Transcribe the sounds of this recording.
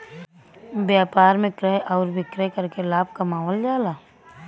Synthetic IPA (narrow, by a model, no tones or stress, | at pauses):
bjaːpaːɾmẽkɾɛɦʔɔːɾbʱɪkɾɛkəɾkelaːb̚kɐmaːʋəld͡ʒaːlaː